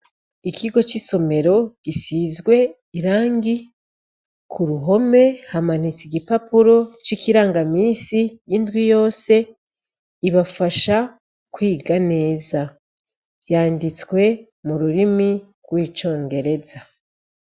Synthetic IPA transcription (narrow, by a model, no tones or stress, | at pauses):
ikiɡo̞t͡ʃiso̞me̞ɾo̞ɡ̥isiːzɡwe̞ | iɾaːŋɡi | kʰuɾuɦo̞me̞haman̥it͡siɡipapuɾo̞t͡ʃikiɾaːŋɡamiːsijindɡwijo̞ːse̞ | iβafaʃa | kwiːɡane̞ːza | βjaːndit͡skwe̞ | muɾuɾimi | ɡwiːt͡ʃo̞ːŋɡe̞ɾe̞za